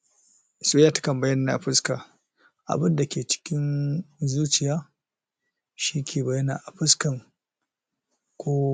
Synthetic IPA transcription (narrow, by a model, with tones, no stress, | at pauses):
sʼoː˦jaː˦tḁ˦kɐ˨mbɐ˦jɐ˦nː˨a̰˨ɸɪ˦skaː˨ | ʔa̰˨bɪ˦nda˨kʲeː˨t͡ʃɪ̥˦kʲɪ˦nzuː˦t͡ʃɪ˨jaː˦ | ʃiː˦kʲʰeː˨bɐ˨jɐ˦na̰ː˨ʔa˨ɸɪ˦skɐ˨ŋ | kʷoː˦